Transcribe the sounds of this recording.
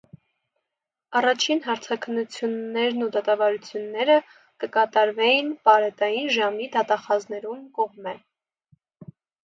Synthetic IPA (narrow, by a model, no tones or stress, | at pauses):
ɑrɑt͡ʃʰinɦɑɾt͡sʰɑkʰənːut͡sʰjunːɛɾnud̪ɑt̪ɑvɑɾut͡sʰjunːɛɾə | kəkɑt̪ɑɾvɛjinpɑɾɛt̪ɑjinʒɑmid̪ɑt̪ɑχɑznɛɾumkɔʁmɛ